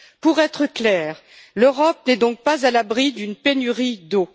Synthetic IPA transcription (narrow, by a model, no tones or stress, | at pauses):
puʁɛt̪χəklɛːʁ | løʁɔp̚nɛd̪ɔ̃k̚pazalabʁid̪ynpenyʁid̪o